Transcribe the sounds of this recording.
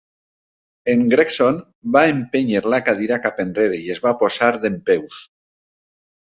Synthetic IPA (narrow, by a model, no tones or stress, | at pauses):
eŋɡɾekson | baempeɲeɾlakað̞iɾakapendreɾeiezβaposaɾðempews